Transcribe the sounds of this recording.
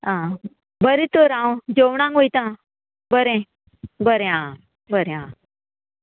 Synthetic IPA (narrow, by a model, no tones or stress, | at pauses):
ɦã | bəɾit̪oɾãwd͡ʑowɳ̃ãŋɡʋojt̪ã | bəɾẽ | bəɾẽɦã | bəɾẽã